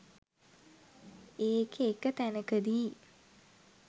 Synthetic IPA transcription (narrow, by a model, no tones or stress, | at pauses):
eːkʰeːkət̪ænəkəd̪iː